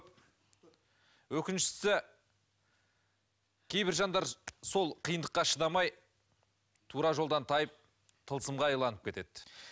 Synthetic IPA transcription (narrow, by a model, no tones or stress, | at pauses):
wɵkʲɪnʃɪ̥sɪ | kʲʰe̞jbɪɾʒɑnd̪ɑɾso̞lˠqʰijənd̪əqːɑʃəd̪ɑmɑj | t̪ʰuɾɑʒolˠd̪ɑnt̪ʰɑjəp̚ | t̪ʰəlˠsəmʁɑɑjlˠɑnəp̚kʲʰe̞t̪e̞d̪̥